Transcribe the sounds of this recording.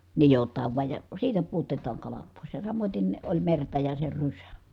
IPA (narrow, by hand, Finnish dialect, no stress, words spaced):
nijotˑɑːʋ ʋuɑj jɑ siːtæ puotetɑːŋ kɑlɑt poˑis jɑ sɑmoten olʲ mertɑ jɑ se rysæ